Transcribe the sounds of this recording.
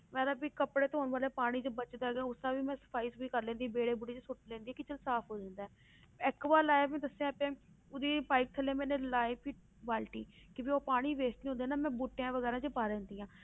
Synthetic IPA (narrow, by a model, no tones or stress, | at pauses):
mɛ̃ːləbʋiːkəpɽeːt̪eɦoːɳʋaːleːpaːɽ̃iːt͡ʃəbət͡ʃd̪aːɦɛɡãːʊsãːʋiːmɛ̃ːsə̥pʰaːiːsiːkəɾlɛ̃ːnd̪ibeːɽeːbuːʈeːt͡ʃsʊʈlɛ̃ːnd̪iɛːkɪt͡ʃəlsaːpʰɦoːd͡ʒãːnd̪aɛː | ɛkʋaːlaːjbɛ̃ːd̪əsẽapãː | ʊd̪iːpaːɪk̚t̪ʰəlːeːmɛ̃ːneːlaːipʰi | ʋaːlʈiːkɪpioːpaːɽ̃iːʋeːsĩːɦõnd̪eɛːnaːmɛ̃ːbuːʈejãːʋəɣɛːɾãːt͡ʃəpaːɾɛ̃ːnd̪iːãː